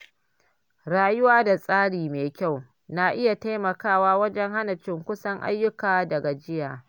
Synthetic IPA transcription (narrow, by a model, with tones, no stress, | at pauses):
ɽaː˦jʊ˦waː˦da˨sʼaː˦ɽiː˨meː˨kʲa˦˨w | na˨ʔɪ˦ja˨ta˦mɐ˨kaː˦˨waː˦wɐ˦d͡ʒɛ˦ŋha˦nɐ˨t͡ʃɪ˦ŋkʷʊ˦sɐ˦ŋʔa̰˦jːʊ˦kaː˨dɐ˨ɡa˨d͡ʒɪ˦jaː˨